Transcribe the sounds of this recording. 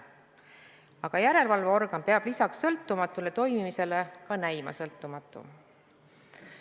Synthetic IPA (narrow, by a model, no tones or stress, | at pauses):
ɑɡ̥ɑjæɾe̞lvɑlveo̞rɡ̥ɑnpeɑb̥lisɑksːɤlt̪ːˑumɑt̪ːˑule̞t̪o̞jmimise̞le̞kɑnæjmɑ̰sɤlt̪ˑːumɑt̪ːˑṵ